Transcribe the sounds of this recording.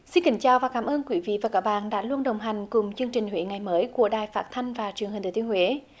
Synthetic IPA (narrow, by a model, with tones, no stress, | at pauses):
si˧nkï˨˦ŋ̟t͡ɕaː˨˩wvaː˨˩kaː˨˦mʔəː˧nkwi˨˦vḭ˧˨vaː˨˩kaː˨˦˥ɓa̰ː˧˨nɗa̰ː˧˥lu˧ənɗə˨˩wŋ͡mɦa˨˩jŋ̟kʊ˨˩ŋ͡mt͡ɕɨ˧əŋt͡ɕï˨˩ŋ̟hwḛ˧˨˦ŋa˨˩jməː˨˦jku˧˩əɗaː˨˩jfaː˦˥t̚t̪ʰa˧jŋ̟vaː˨˩t͡ɕɨ˨˩ə˩ŋhi̟˨˩t̪ʰːt̪əŋhwe˨˦